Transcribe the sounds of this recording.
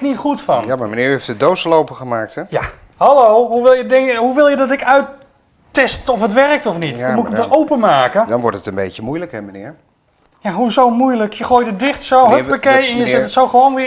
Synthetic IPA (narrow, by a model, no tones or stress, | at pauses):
nitχutfɑ̰njamamənɪːeftədowsəlowpəχəmaːk̚tɛja | hɑlowɦuʋɪlˠjədɪŋɦuʋɪlˠjədɑtɪkœɥt | ɛstɔfətʋɛrk̚tɔfnitmutɪkəmdərowpəmaːkədɑnʋɔɹtətənbejcəmujləkɦɛmənɪːɹ | jaɦuzowmujləkjəχoːjtədɪχtsowɦəpakejɛnjəzɪtətsowχəʋownʋɪ